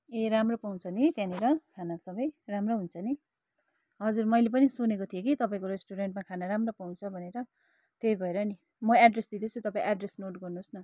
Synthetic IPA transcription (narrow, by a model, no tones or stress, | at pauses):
eɾamropaw̃t͡sʰʌnit̪jãniɾʌkʰanasʌbʌjramroɦunt͡sʰʌni | ɦʌd͡zurmʌjlep̬ʌnisunekot̪ʰijokit̪ʌpaĩkoɾesʈoɾeɳʈmakʰanaɾamropaw̃nt͡sʰʌbʱʌneɾʌ | t̪ejbʱʌeɾʌni | mʌaɖresd̪id̪et͡sʰut̪ʌpaĩʔaɖresnoʈɡʌrnusnʌ